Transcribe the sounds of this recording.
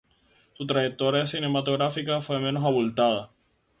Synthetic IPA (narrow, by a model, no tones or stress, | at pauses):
sut̪ɾajek̚t̪oɾjasine̞mat̪oɣɾafikafwe̞menosaβult̪að̞a